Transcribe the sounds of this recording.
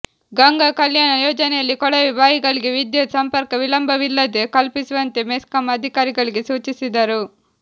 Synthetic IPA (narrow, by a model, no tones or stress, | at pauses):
ɡɐŋɡakɐljaːnɐjɔːd͡ʒɐnejɐlːikɔɽɐʋiʋaːjiɡɐɭiɡeʋid̪jɐsɐmpɐɾkɐʋilɐmbʱɐʋilːɐd̪ekɐlpisiʋɐnt̪emeskɐmɐd̪ʱikaːɾiɡɐɭiɡesuːt͡ʃisid̪ɐɾu